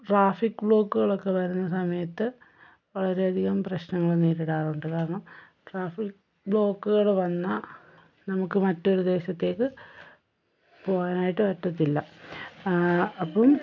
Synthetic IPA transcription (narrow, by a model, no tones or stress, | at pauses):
ʈraːfikːbɭo̞ːkːuɣɐɭo̞kːe̞ʋɐɾunːɐsɐmɐjɐt̪ːɨ | ʋɐɭɐɾe̞ɐd̪ʱiɣɐmprɐɕnɐŋːɐɭeneːɾiɽaːruɳɖɨkaːɾɐɳɐm | ʈraːfik | bɭo̞ːkːuɣɐɭʋɐnːɐ | nɐmukːɨmɐtːo̞ɾud̪e̞ːɕɐt̪ːe̞ːkːɨ | po̞ːɣaːnaːjiʈːɨpɐtːɐt̪̬ːilːɐ | ɐpːɐm